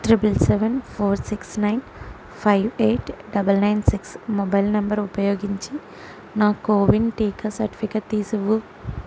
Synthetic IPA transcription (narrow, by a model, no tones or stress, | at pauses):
ʈɾipɐlseʋenpʰoːɾsiksnɐjn | pʰɐjʋeːʈɖɐbɐlnɐjnsiksmɔbɐjlnɐmbɐɾupɐjoːɡiɲt͡ʃi | naːkoːʋinʈiːkɐsɐɾʈi̥pʰikɐʈt̪iːsuʋu